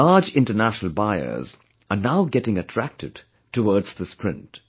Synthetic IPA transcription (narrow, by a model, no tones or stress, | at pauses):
laːd͡ʒɪ̃ntənæʃənəl̩ˠbaɪə̰z | ənaʊɡɛtɪ̃ŋətʰɹ̥æk̚tɨd | təwɔɹdz̥ðəspʰɹɪ̃nt